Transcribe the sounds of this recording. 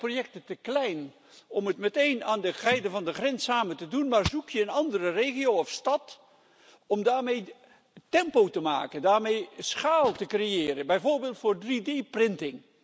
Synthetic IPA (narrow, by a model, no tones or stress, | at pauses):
projɛk̚tətəklɛjn | ɔmətmətejnaːndəɣɛjdəvɑndəχrɛnsaːməntədunmaːrzukʰjəənɑndərərejχiowɔfstɑt | ɔmdaːɹmej | tɛmpowtəma̰ːkəndaːrmejsχaːlˠtəkrejɪːrənbɛjvoːɹbɪːlˠtfʊːrdrideprɪntɪŋ